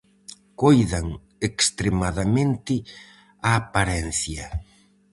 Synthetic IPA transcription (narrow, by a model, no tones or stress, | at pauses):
kojðɐŋ | ekst̪ɾemaðamẽnt̪ɪ | aːpaɾɛn̟θjɐ